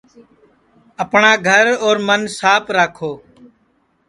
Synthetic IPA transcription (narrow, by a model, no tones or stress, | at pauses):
əpɳaːɡʱəɾoːɾmənsaːpʰɾaːkʰoː